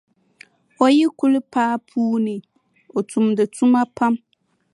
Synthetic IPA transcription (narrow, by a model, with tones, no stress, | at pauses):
ɔ˦ji˦ku˦lpʰaː˦pʰuː˦nɪ̃˨ | ɔ˨tʰu˨mdɪ˨tu˦mã˦pʰa˦m